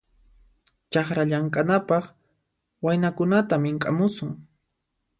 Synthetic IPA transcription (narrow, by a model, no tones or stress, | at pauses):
t͡ʃɑχɾaʎaŋkʼanapɑχ | wajnakʊnat̪amɪŋkʼa̰mʊsʊŋ